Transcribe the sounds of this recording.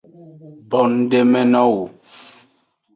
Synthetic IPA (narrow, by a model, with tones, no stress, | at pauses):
bɔ˨n˦de˦mɛ˦nɔ˦wu˨